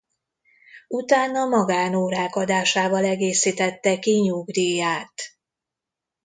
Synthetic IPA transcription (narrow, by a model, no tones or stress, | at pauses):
ut̪aːnːɒmɒɡaːnoːɾaːkɒd̪aːʃaːvɒlɛɡeːsiːt̪ɛt̪ːɛkiɲuɡd̪iːjaːt̪